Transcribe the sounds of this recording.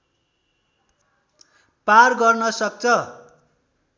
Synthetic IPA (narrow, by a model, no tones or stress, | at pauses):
parɡʌrnʌsʌk̚t͡sʰʌ